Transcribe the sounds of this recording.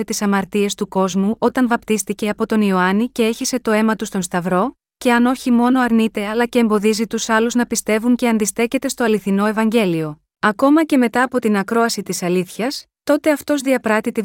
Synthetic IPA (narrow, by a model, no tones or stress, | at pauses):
et̪isɐmɐɾt̪ie̞st̪uko̞zmuʔo̞t̪ɐnvɐpt̪ist̪ice̞ɐpo̞t̪o̞nio̞ɐnice̞e̞çise̞t̪o̞e̞mɐt̪ust̪o̞nst̪ɐvɾo̞ | ce̞ɐno̞çimo̞no̞ɐɾnit̪e̞ɐlɐce̞ːmbo̞ðizit̪usɐluznɐpist̪e̞vuɲce̞ɐnd̪ist̪e̞ce̞t̪e̞st̪o̞ɐliθino̞e̞vɐɲɟe̞lio̞ | ɐko̞mɐce̞me̞t̪ɐːpo̞t̪inɐkɾo̞ɐsit̪isɐliθçɐs | t̪o̞t̪e̞ɐft̪o̞zðiɐpɾɐt̪it̪i